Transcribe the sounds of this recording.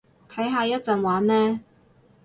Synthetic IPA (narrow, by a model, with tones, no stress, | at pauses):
t̪ʰɐ˨˥jɦaː˧jɐ˥t̚t͡sɐ˨˧nwaː˨˥nnɛː˥